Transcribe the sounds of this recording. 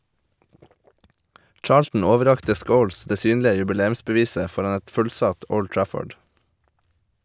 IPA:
ˈt͡ʃɑːɭtn̩ ˈoːʋəˌɾɑktə ˈskəʊls ˈdeː ˈsyːnlɪə jʉbɪˈleːʉmsbəˌʋiːsə ˈfɔɾɑn ˈɛt ˈfʉlˌsɑt ˈɔl ˈʈɹæfɔɖ

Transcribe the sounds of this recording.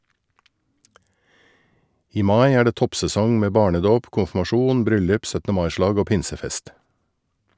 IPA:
ˈiː ˈmɑɪ ˈæː ˈɖeː ˈtɔpsɛˌsɔŋ ˈmeː ˈbɑːɳəˌdoːp kʊnfmɑˈʃuːn ˈbɾʏlʉp ˈsœtə ˈmɑɪ ˈʃlɑːɡ ˈoː ˈpɪnsəˌfɛst

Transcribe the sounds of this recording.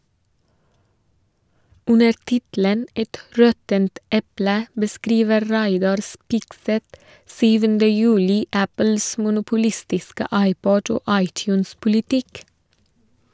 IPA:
ˈʉnəɾ ˈtɪtl̩ən ˈɛt ˈɹɔtənt ˈɛplə bəˈskɾiːʋəɾ ˈɾæɪdɑɾ ˈspɪɡsɛt ˈsyːʋəndə ˈjʉːlɪ ˈæpəls mʊnʊpʊˈlɪstɪskə ˈɑɪˌpɔɟ ˈoː ˈɑɪˌtjʉːns pʊlɪˈtɪk

